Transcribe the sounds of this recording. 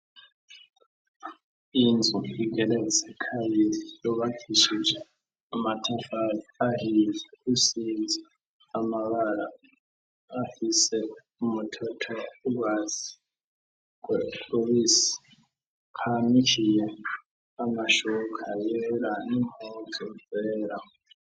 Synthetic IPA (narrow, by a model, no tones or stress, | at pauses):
ind͡zʱuik̬ɛlɛsɛkʰajizijɔɓakʰiʃit͡ʃɛ | amatʰafaahilɛusind͡zʱi | amaβalaː | hisɛ | umutʰɔtʰɔuk̬waːzi | kwɛowis | kʰamikʰijɛ | amaʃɔkʰajɛlanimuzʱɔvɛːla